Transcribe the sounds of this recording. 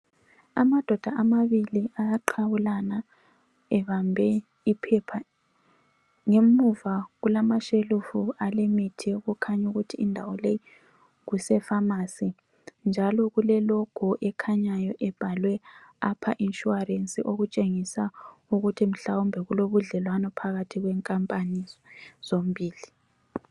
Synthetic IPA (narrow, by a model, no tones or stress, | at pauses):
a̰mad̥ʱɔd̥ʱaʔamaβiliajaǃʰaβulana | ɛβambʱɛ | ipʰɛpʰa | ŋemuvaɣulamaʃelufualemitʰiɣukʰaɲuɣutʰiːndʱawɔleji | ɣusɛfamasi | nd͡ʒʱalɔɣulɛlɔɡ̥ʱɔʔɛkʰaɲajɔʔɛb̥ʱalwɛapʰaʔinʃuarensʼiʔoɣut͡ʃʼeŋisauɣutʰim̩ɬawumbʱɛɣuloβuɮɛlwanɔpʰaɣatʰiɣwɛːŋkʼampʼaniz̥om̩bʱiːli